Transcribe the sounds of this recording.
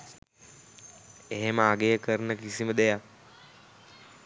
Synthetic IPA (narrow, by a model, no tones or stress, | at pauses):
eɦeməaɡejəkəɾnəkisiməd̪ejak